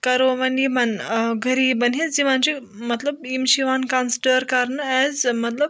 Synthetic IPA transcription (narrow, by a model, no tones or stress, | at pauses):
kɐɾoʋɐnibanɡʱəɾiːbənid͡ʑiʋãnt͡ɕi | mɐt̪ləbimɕiʋankãnsɖəɾkaɾnɛzmɐt̪ləb̚